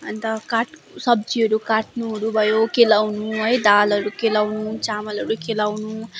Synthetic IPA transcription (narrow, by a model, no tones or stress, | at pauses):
ʌnt̪ʌkaʈ | sʌb̚d͡ziʌɾukaʈ̚nuɦʌɾubʱʌjokelawnuɦʌjd̪alʌɾukelawnut͡samʌlʌɾukelawnu